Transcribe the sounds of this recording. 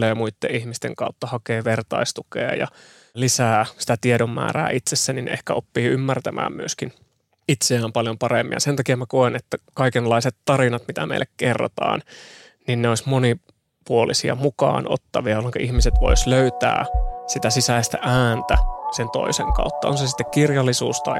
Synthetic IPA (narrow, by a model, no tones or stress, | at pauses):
leːmuit̪ːḛʔihmist̪ḛŋkɑut̪ːɑhɑkeːʋert̪ɑ̰ist̪ukḛːjɑ̰ | lisæːsi̥t̪æt̪iedomːæ̰ːræ̰ːʔit̪sesːænin̰ehkæopːiːymːært̪æmʔæ̰ːmmyøskin | it̪seæːmpɑljompɑremːḭɑ̰sent̪ɑkiæmækoenet̪ːækɑikenlːɑiset̪t̪ɑrinɑt̪mit̪æmḛilːekkerːo̰t̪ɑ̰ːn | ninneoismoni | puolisiɑ̰mukɑ̰ːnʔo̰t̪ːɑʋiɑjolːeŋkɑʔihmiset̪ʋo̞̰isløyt̪æ̰ːsit̪æsisæist̪æ̰ʔæːnt̪æsent̪o̰iseŋkɑ̰ut̪ːɑonsesi̥t̪ːekkirjɑlːisuːst̪ɑi